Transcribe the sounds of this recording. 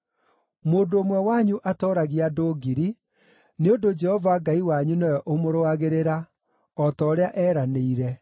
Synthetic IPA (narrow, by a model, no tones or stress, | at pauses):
moːndoːmwɛwaɲuʔatɔːɾaɣiadoːɡiɾi | neondod͡ʒɛhɔvaɡaiwaɲunɔjɔʔomoɾoaɣeɾeɾa | ɔtɔːɾeaʔɛːɾaneiɾɛ